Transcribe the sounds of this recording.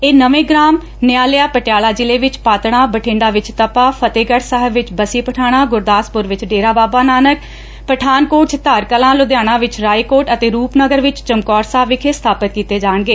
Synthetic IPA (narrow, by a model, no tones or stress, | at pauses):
eːnəʋẽːɡɾaːm | nɪjaːlɪjaːpəʈɪjaːlaːd͡ʒɪleːʋɪt͡ʃpaːt̪ɳ̃aːbəʈʰẽːɳɖaːʋɪt͡ʃt̪əpaːpʰət̪eːɡəʈsəɦəʋɪt͡ʃbəsiːpəʈʰaːɽ̃aːɡʊɾd̪aːspʊɾʋɪt͡ʃɖeːɾaːbaːbaːnaːnək | pəʈʰaːnkoːʈ̚t͡ʃt̪aːɾkəlãːlʊd̪jaːɽ̃ãːʋɪt͡ʃɾaːikoːʈət̪eːɾuːpnəɡəɾʋɪt͡ʃt͡ʃəmkɔːɾsaːʋɪkʰeːst̪ʰaːpət̪̚kiːt̪eːd͡ʒaːɳɡeː